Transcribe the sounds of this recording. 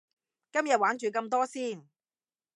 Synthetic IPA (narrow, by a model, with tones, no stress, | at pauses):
kɐ˥mjɐ˨t̚waː˨˥nt͡ʃyː˨k̬ɐ˧mt̪̬ɔː˥siː˥˩n